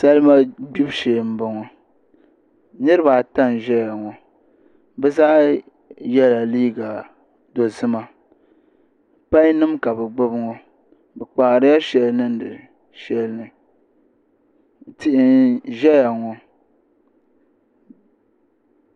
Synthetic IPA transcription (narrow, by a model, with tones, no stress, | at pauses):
sa˦lma˦ɡ͡bi˦bʃeː˨m̩˦bɔ˨ŋɔ˨ | nɨ˦ɾɨ˦ba˨ta˦n˨ʒɛ˦ja˨ŋɔ˨ | bɛ˦zaː˦ | jɛ˦la˨liː˦ɡa˨ | do˨zɨ˦ma˦ | pa˦ɲ˦nɨ˦mka˨bɛ˨ɡ͡bo˦bŋɔ˦ | bɛ˨k͡paː˨ɾɨ˦ja˦ʃɛ˨lnɨ˦n̩˦dɨ̰˨ | ʃɛ˦lnɨ˨ | tɪ˦ʔɪ˦nʒɛ˦ja˨ŋɔ˨